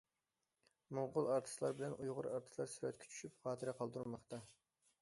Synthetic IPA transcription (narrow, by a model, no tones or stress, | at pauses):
moʁʊlˠɑɾt̪ʰɨ̥slˠɑɾbɪlɛnʔujʁʊɾɑɾt̪ʰɨ̥lˠɑɾsyɾɛt̪̚kʲɛ̥t͡ʃʰy̥ʃypχɑːt̪ʰɨɾɪqʰɑlˠd̪uɾmɑχt̪ɑ